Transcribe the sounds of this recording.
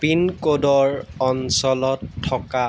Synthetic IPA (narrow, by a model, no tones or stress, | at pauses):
pinkodɔɹɔnsɔlɔtʰːɔka